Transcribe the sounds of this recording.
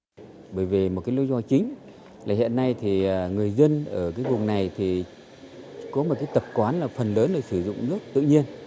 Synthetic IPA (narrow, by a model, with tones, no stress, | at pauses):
ɓəː˧˩jvi˨˩mo˨˩t̚kaː˨˦jli˨˦zɔ˧˩t͡ɕï˨˦ŋ̟ | laː˨˩hḭ˧˨nːa˧jt̪ʰiː˨˩˨ŋɨ˨˩əjzə˧nʔəː˧˩kaː˨˦jvʊ˨˩ŋ͡mna˨˩jt̪ʰi˨˩ | kɔ˨˦mo˨˩t̚kaː˨˦jt̪ə˨˩p̚kwaː˨˦nlaː˨˩fə˨˩nləː˨˦nlaː˨˩sɨ˧˩zʊ̰˧˨ŋ͡mnɨ˦˥ək̚t̪ɨ̰˧˨ɲi˧ən